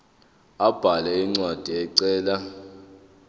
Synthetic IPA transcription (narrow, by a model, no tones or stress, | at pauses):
ab̥ʱalɛiŋ͡ǀwad̥ʱiɛǀɛːla